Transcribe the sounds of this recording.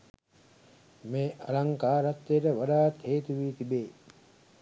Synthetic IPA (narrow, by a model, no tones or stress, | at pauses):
meːʔalaŋkaːɾat̪ːejʈəʋaɖaːt̪heːt̪uʋiːt̪ibeː